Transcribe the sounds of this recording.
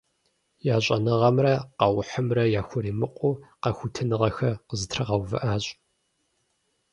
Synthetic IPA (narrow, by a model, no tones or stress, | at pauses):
jaːɕʼɐnɨʁɐmrɐqɑwʊħəmrɐjaːxʷʊɾiːmɨqʷʼuːqɐxʷʊtʰɨnɨʁɐxɐqəzɨtʰrɨʁɐwvɨ̰ʔaːɕʼ